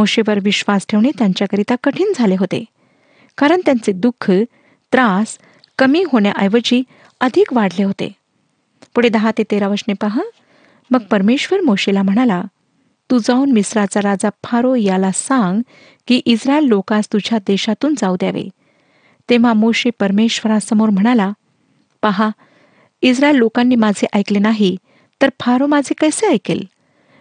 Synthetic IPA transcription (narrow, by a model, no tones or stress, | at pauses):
moɕeʋəɾʋiɕʋasʈʰeʋɳet̪jaɲt͡ɕjakəɾit̪akəʈʰiːnd͡zʱaleɦot̪ḛ | kaɾəɳt̪jant͡sed̪ukʰːə | t̪ɾas | kəmiːɦoɳja̰ʔajʋəd͡ʑiː | əd̪ʱikʋaɽ̤leɦot̪ḛ | puɽed̪əɦat̪et̪eɾaʋəɾɕnepaɦə | məɡ̚pəɾmeɕʋəɾmoɕelam̤əɽ̃ala | t̪ud͡zaunmisɾat͡saɾad͡zapʰaɾojalasãŋɡ | kiːʔisɾaelːokast̪ud͡ʑʱjad̪eɕat̪uːnd͡zawd̪ja̰ʋḛ | t̪eʋ̤amoɕepəɾmeɕʋəɾasəmoɾm̤əɽ̃ala | paɦa | isɾaelːokanːiːmad͡zʱeʔajklenaɦi | t̪əɾpʰaɾomad͡zʱekəjseajkḛl